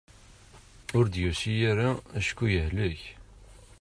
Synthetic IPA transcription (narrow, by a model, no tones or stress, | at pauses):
ʊɾd̪jusijæɾaæʃkːujəhləç